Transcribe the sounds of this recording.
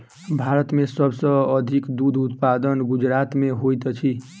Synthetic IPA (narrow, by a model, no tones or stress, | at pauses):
bʱaɾət̪mesəbsə̃əd̪ʱikd̪ud̪ʱut̪pad̪ənɡud͡ʒɾat̪meɦojt̪t͡ʃʰi